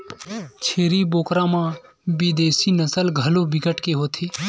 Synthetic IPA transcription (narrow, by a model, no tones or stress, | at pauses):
t͡ʃʰeːɾiboːkɾãːmãː | bid̪eːsinəsəlɡʱəlobɪɡəʈkeɦoːt̪ʰeː